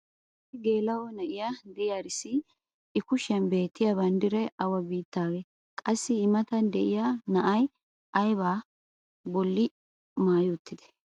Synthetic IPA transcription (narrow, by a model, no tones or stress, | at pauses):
sɪɡe̞ːlɐwɔnɐʔɪjad̪ɪjaɾɪsɪ | ɪkʊʃɐnbe̞ːt̪ːɪjɐbɐnd̪ɪɾɛʔɐwɐbiːt̪ːaːɡɛ | kʼɐsːɪːmɐt̪ɐnd̪ɛʔɪjanɐʔɐj | ʔɐjbaː | bɔlːɪ | maːjʊt̪ːɪd̪ɛ̥